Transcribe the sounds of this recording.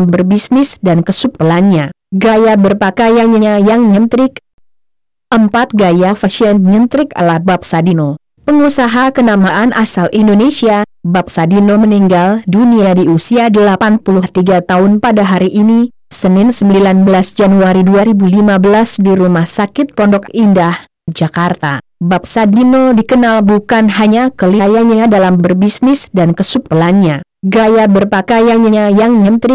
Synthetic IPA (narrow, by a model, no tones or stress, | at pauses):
bərbisnɪsdankəsup̚rəlanɲa | ɡajabərpakajaɲəajaŋɲənt̪ɾɪk | ʔəmpat̪̚ɡajafaʃiənɲənt̪ɾɪka̰lahbap̚sadino | pəŋusaɦakənamaʔanʔasalʔindonesiabap̚sadinoməniŋɡalduniadiusiadəlapanpuluht̪iɡat̪aʊnpadaɦaɾiʔini | sənɪnsəməmilanbəlasd͡ʒanuaɾiduaɾibulimabəlasdiɾumahsakɪt̪̚pɔndɔkindah | d͡ʒakart̪a̰bap̚sadinodikənalbukanɦaɲakəlajaɲadalambərbisnɪsdankəsup̚əlanɲaɡajabərpakajanɲaajaŋɲənt̪ɾi